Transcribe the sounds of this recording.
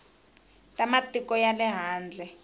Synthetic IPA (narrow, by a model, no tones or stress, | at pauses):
tʼamatʼikɔjalɛɦaːnd͡ɮʱɛ